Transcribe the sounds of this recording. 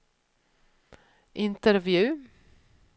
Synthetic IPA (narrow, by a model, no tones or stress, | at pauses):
ʔɪnt̪əɾvjʉː